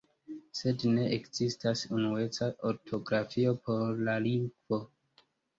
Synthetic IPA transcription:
se̞dne̞ʔekz̥istasunue̞t͡saʔo̞ɾtʰo̞ɡɾafio̞pʰo̞ɾlaliŋɡvo̞

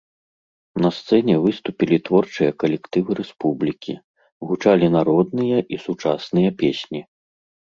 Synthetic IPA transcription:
nɐst̪sɛnʲɛvɨst̪upʲilʲit̪vɔrt͡ʂɨjɐkɐlʲɛkt̪ɨvɨɾɛspublʲikʲʰḭ | ɣut͡ʂalʲinaɾɔd̪nɨjɐʔisut͡ʂasnɨjɐpʲesʲnʲi

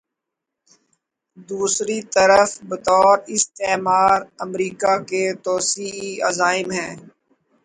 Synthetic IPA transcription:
d̪uːsɾit̪əɾəfbət̪ɔːɾɪst̪eːmaːɾəmɾiːkaket̪ɔːsiiɐ̰zaːɪmɦɛ̃ː

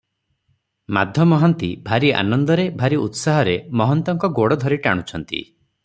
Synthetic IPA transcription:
ma̰d̪ʱjɔmɔɦɔnt̪ibʱaɾia̰nɔnd̪ɔɾebʱaɾiut̪saɦɔɾemɔɦɔnt̪ɔŋkɔɡoɽɔd̪ʱɔɾiʈaɽ̃ut͡ʃʰɔnt̪ḭ

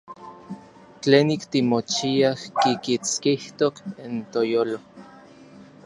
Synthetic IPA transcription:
t͡ɬeːnikt̪imot͡ʃiahkikit͡skiht̪okint̪ojoːlo

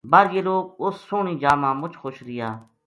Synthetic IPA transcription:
baːɾɡeːloːk̚ʊsːʊːɳĩːd͡ʒaːmãːmʊt͡ʃʰxʊʃɾɪjaː

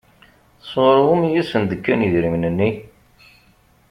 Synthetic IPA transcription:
θsˤoɾʁʊmijisənd̪əkːæniðɾimnənːi

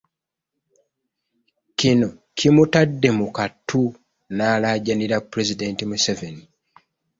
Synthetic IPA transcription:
cino̞cʰimutadːe̞mukatʰːu | naːlaːɟaniɾapːuɾe̞zide̞ːntimuseveni

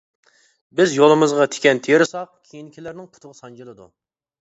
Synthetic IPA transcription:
bɪzjolˠɨmɨzʁɑt̪ʰe̥kʲɛnt̪ʰejɾɨsɑqkʲʰejinkʲʰilæɾnɪŋpʰʊ̥t̪ʰʊʁsɑnd͡ʒɨlˠɨd̪ṵ

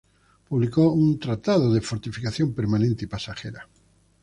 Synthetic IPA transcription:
puβlikount̪ɾat̪að̞oðefoɾt̪ifikaθjompeɾmanẽnt̪eipasaxeɾa

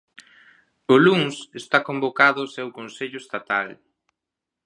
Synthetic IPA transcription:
ʊluŋsest̪akombokaðʊːsɛwkonseʎʊest̪at̪al

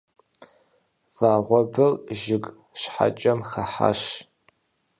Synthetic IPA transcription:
v̥aːʁʷɔbɨrʒɪɡʼ | ʃħa̰t͡ʃʼɐmxɐħa̰ʃ

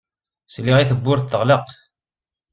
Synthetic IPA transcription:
slːiʁiθəbːʊɾθθəʁləq

